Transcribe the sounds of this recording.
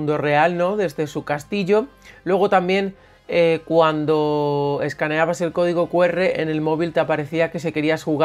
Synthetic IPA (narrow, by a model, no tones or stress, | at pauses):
nd̪o̞re̞alno̞ðe̞zðe̞sukast̪iʎo̞lwe̞ɣ̞o̞t̪ambje̞ŋ | ekwand̪o̞e̞skane̞aβ̞ase̞lko̞ðiɣ̞o̞kwe̞re̞ʔene̞lmo̞β̞ilt̪apaɾe̞θiake̞se̞ke̞ɾiasxuɣa